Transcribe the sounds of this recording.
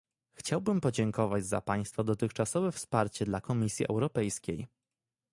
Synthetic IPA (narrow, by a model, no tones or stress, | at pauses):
xt͡ɕawbɘmpɔd͡ʑɛŋkɔvad͡ʑza̰paj̃st̪fad̪ɔt̪ɘxt͡ʂasɔvɛfspaɾt͡ɕɛd̪lakɔmʲisʲjiʔɛ̰wɾɔpɛjskʲej